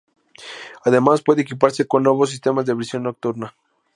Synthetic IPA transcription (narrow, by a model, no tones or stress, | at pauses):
aðe̞maspwe̞ðeekipaɾse̞ko̞nːwe̞βo̞s̬ːist̪e̞mazðeβɾisjo̞nːo̞k̚t̪uɾna